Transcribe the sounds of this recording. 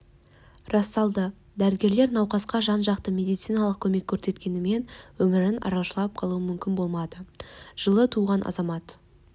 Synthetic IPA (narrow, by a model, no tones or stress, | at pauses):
rɑst̪ɑlˠd̪ə | d̪æɾɪɡʲe̞ɾle̞ɾnɑwqɑsqɑʒɑnʒɑqt̪əmʲe̞d̪ijt̪sijnɑlˠəq̚kʲʰɵme̞kʲʰːɵɾse̞t̪kʲe̞nɪme̞nwɵmɪɾɪnɑ̰ɾɑwʃəlˠɑp̚qʰɑlˠuəmʏmkʲɪnbo̞lˠmɑd̪əʒ̥əlˠət̪ʰuʁɑnʔɑ̰zɑmɑt̪